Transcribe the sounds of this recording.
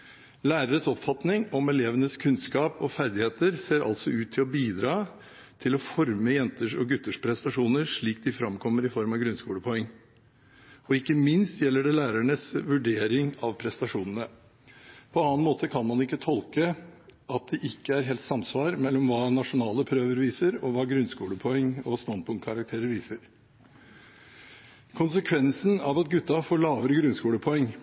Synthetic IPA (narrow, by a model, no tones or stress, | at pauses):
læːɾəɾəsɔpfɑt̪nɪŋɔmɛleːʋənəskʰʉnskɑːpɔfæɾd̪ɪheːt̪əɾseːɾʔɑ̰lt̪sɔʉːt̪ʰːɪlɔbiːd̪ɾɑː | t̪ʰɪlɔfɔɾməjɛnt̪əʂɔɡʉt̪ːəʂpʰɾɛst̪ɑʂuːnəɾʂɭiːk̚d̪ɪfɾɑmkʰɔmːəɾɪfɔɾmɑʋɡɾʉnskuːləpʰɔɛŋː | ɔɪkːəmɪnst̪jɛlːəɖɛlæːɾæɳəsʋʉɖeːɾɪŋɑʋpʰɾɛst̪ɑʂuːnənə | pʰɔɑnɑnmoːt̪ʰəkʰɑnmɑnɪkːət̪ʰɔlkəʔɑt̪̚d̪ɛʔɪkːəæɾɦɛːlt̪sɑmsʋɑːɾmɛlːɔmʋɑːnɑʂʊnɑːləpʰɾøːʋəɾʋiːsəɾɔʋɑːɡɾʉnskuːləpʰɔɛŋːɔst̪ɑnd̪̚pʰʊŋkʰɑɾɑkt̪ʰeːɾəɾʋiːsəɾ | kʰʊnsəkʰʋɛnsnɑʋɑt̪ɡʉt̪ːɑfoːɭɑːʋəɾəɡɾʉnskuːləpʰɔɛŋː